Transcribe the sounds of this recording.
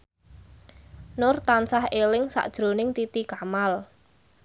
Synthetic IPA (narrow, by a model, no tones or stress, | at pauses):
nʊrt̪ansahelɪŋsa̰ʔd̥ʒ̥ɾo̤nɪŋt̪it̪ikamal